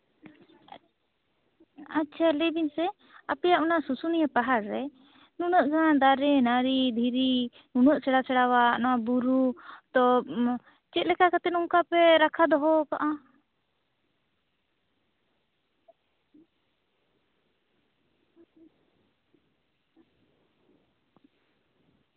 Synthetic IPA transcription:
atːt͡ʃʰalɛbinsɛ | apɛjaʔɔnasusunijapaɦaɾːɛ | nunəʔɡʱad̪aɾɛnaɾid̪ʱiɾi | nunəʔsɛɽasɛɽawanɔwabuɾut̪ɔ | t͡ʃɛt̪̚lɛkakat̪ɛt̪̚uŋkapɛɾakʰad̪ɔɦɔkaʔa

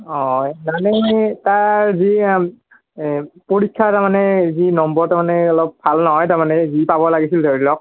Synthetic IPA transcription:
ɔnanɛtaɹzi | poɹikʰːataɹmanɛzinɔmbɔɹtaɹmanɛɔlɔp̚bʱalnɔɦɔjtaɹmanɛzipabɔlaɡisildʱoɹilɔk̚

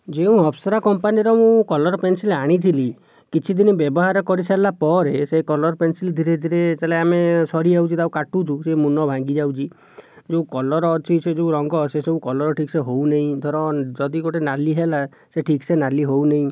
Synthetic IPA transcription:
d͡ʒeũɔpʰsɔɾakɔmpaniɾɔmũkɔlɔɾpensilaɽ̃it̪ʰili | kit͡ʃʰid̪inibjɔbɔɦaɾɔkɔɾisalapɔɾesekɔlɔɾpensild̪ʱiɾed̪ʱiɾet͡ʃaleamesɔɾiawt͡ʃʰit̪aũkaʈut͡ʃʰũsemunɔbʱãŋɡid͡ʒawt͡ʃʰi | d͡ʒeũkɔlɔɾɔːt͡ʃʰised͡ʒeũɾɔŋɡɔseseũkɔlɔɾɔʈʰikseɦowneɦĩd̪ʱɔɾɔ̃d͡ʒɔd̪ikoʈenaliɦela | seʈʰiksenaliɦowneĩ

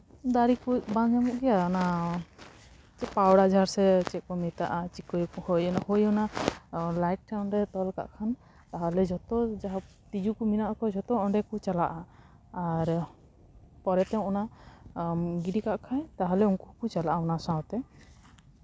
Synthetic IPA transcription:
d̪aɾikubãd͡ʒamɔʔɡɛjaɔna | t͡ʃɛpawɽad͡ʒʱaɾsɛt͡ʃɛkɔmit̪aʔat͡ʃikɔjkhojɔnahojɔna | lajʈ̚ːʰɛnɾɛt̪ɔlka̰ʔkʰan | t̪aɦɔlɛd͡ʒɔt̪ɔd͡ʒaɦa | t̪id͡ʒukuminaʔkɔd͡ʒɔt̪ɔɔɳɖɛkut͡ʃalaʔaː | ɾ | pɔɾɛt̪ɛ̃ɔna | ɡiɖikaʔkʰajt̪aɦɔlɛunkuukut͡ʃalaʔaɔnasãwt̪ɛ

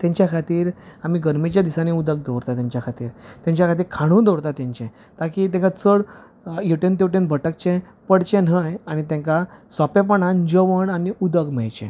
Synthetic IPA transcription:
t̪jɛ̃ɲt͡ɕjakʰat̪iːɾamiːɡəɾmit͡ɕjad̪isaneud̪əɡ̚d̪oɾt̪at̪jãɲt͡ɕjakʰat̪iːɾt̪jãɲt͡ɕjakʰat̪̬iːɾkʰaɽ̃ũːd̪oɽt̪at̪ãɲt͡ɕɛ̃ | t̪akiːt̪̬ɛ̃ŋkat͡səɽ | jeʈent̪ewʈenbʱəʈəkt͡ɕɛ̃ | pəɽt͡ɕɛ̃nɦəjañit̪̬ɛ̃ŋkasɔpɛ̃p̬əɳãnd͡ʑəʋəɳaniud̪əɡmɛjt͡ɕɛ̰̃

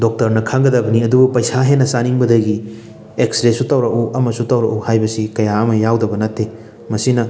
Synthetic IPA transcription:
dok̚tɐɾnɐkʰaŋɡɐdɐbɐniɐdubupɐjsaɦenːɐsaniŋbɐdɐɡi | eksɾesutɐwɾɐkuʔɐmɐsutɐwɾɐʔuhajbɐsikɐjaɐmɐjawdɐbɐnɐtːe | mɐsinɐ

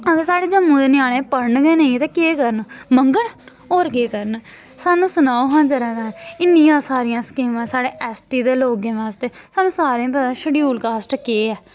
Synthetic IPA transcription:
əɡəɾsaːɽeːd͡ʒəmːũːd̪eːnɪjaːɽ̃ẽːpəɾɳɡeːnəĩːt̪eːkeːkəɾənməŋɡəɳ | oːɾkeːkəɾən | saːnũːsʊnaːoɦãːnd͡ʒəɾaːkanɪnːĩːãːsaːɾɪjãːskiːmãːsaːɽeːʔɛːsʈiːd̪eːloːɡẽːʋaːst̪eːsaːnũːsaːɾẽːp̬ət̪ãːʃəɽiːuːlkaːsʈkeːɛː

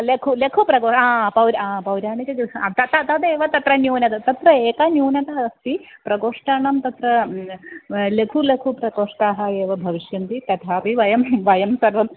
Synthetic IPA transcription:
lekʰulekʰupɾɐɡoːaːpɐwɾaːpɐwɾaːɳit͡ɕɐɐt̪ɐt̪ɐt̪ɐd̪eːʋɐt̪ɐt̪ɾɐnjuːnɐt̪ɐt̪ɐt̪ɾɐeːkɐnjuːnɐt̪ɐɐst̪ipɾɐɡoːʂʈɐɳɐmt̪ɐt̪ɾɐ | lekʰulekʰupɾɐkoːʂʈaːɦɐeːʋɐbʱɐʋiʃjɐnt̪it̪ɐt̪ʰaːpiʋɐjɐmʋɐjɐmsɐɾʋɐm

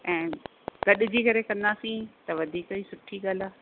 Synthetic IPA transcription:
ɛ̃ː | ɡɐɗɪd͡ʑiːkɐɾekɐ̃nd̪aːsĩt̪ɐʋɐd̪ʱiːkɦiːsʊʈʰiɠaːlaː

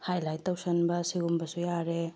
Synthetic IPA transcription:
hajlajtːɐwsɐnbɐsiɡumbɐsujaɾe

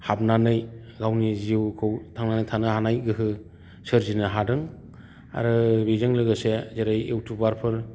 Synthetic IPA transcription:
habnanɯj | ɡawniziwkʰɯwtʰaŋnanɯjtʰanɯhanajɡɯɦɯ | sɯɾzinɯɦadɯŋ | a̰ɾɯbezɯŋlɯɡɯsezeɾajewtʰubaɾpʰɯɾ

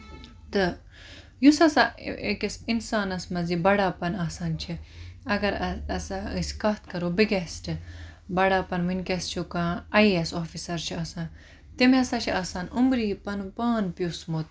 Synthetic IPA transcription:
t̪ɨ | jusɐsaekisinsaːnɐsmɐzibɐɽaːpɐnaːsaːnt͡ʃʰiɐɡɐɾɐɐsaɨskɐːt̪ʰkɐɾoːbiɡesʈɨbɐɽaːpɐnʋinʲkest͡ʃʰukaːɐiesoːfisɐɾt͡ʃʰiaːsaːn | t̪imiɐsaːt͡ʃʰiʔaːsaːnumbɾiːpɐnpaːnpjusmot̪̚

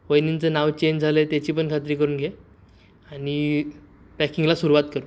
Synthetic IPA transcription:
ʋəjnint͡sənaʋt͡ɕend͡zʱalet̪jat͡ɕiːpəɳkʰat̪̬ɾiːkəɾuːnɡʱe | ani | pɛkiŋɡlasuɾuʋat̪kəɾu

